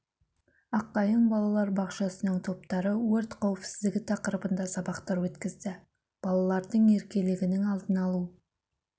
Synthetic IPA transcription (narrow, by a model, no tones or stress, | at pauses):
ɑqːɑjəɴbɑlˠɑlˠɑɾbɑqʃɑsənəɴt̪ʰo̞p̚t̪ɑɾəwɵɾt̪qʰɑwɪpsɪ̥zd̪ɪɡʲɪt̪ʰɑqəɾəbənd̪ɑsɑbɑqt̪ɑɾwɵt̪kʲɪzd̪ɪ | b̥ɑlˠɑlˠɑɾd̪əɴe̞ɾkʲe̞lɪɡʲɪnɪŋɑlˠd̪ənɑlˠu